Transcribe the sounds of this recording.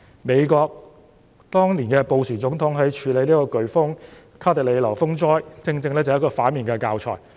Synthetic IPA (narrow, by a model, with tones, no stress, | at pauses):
me˨˧jkɔː˧k̚ | t̪ɔː˥ŋliː˨˩nkɛː˧po˨˧wsiː˨˩t͡sʊ˨˥ŋt̪ʰʊ˨˥ŋɦɐ˨˥jt͡ʃʰyː˨˧le˨˧jniː˥kɔː˧kɵ˨˩ɥfʊ˥ŋ | kʰaː˥t̪ɛ˨k̚le˨˧lɐ˨˩wfʊ˥ŋt͡ʃɔː˥jt͡sɪ˧ŋt͡sɪ˧ŋlɛː˥t͡sɐ˨˩˨kɔː˧faː˨˥nmiː˨˩nkɛː˧kaː˧wt͡ʃʰɔ̰ː˨˩j